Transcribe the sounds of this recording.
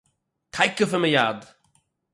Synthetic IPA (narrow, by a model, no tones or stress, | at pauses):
tʰaɪkːəfəməjaːd